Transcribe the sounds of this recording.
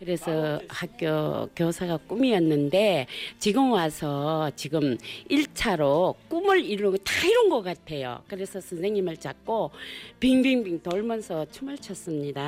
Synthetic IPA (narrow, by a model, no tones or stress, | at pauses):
kɯɾe̞sʰʌhak̚k͈jokjosʰaɡak͈umiʌnːɯnde̞t͡ɕiɡɯmwasʰʌt͡ɕiɡɯmiɭt͡ɕʰaɾok͈umɯɾiɾːoŋɯtaiɾʌnɡʌk͈atʰe̞jo̰kɯɾe̞sʰʌsʰɯnsʰe̞ŋɲimɯɭt͡ɕak̚k͈opiŋbiŋbiŋtʌɭmjʌnsʰʌt͡ɕʰumɯɭt͡ɕʰʌs͈ɯmɲida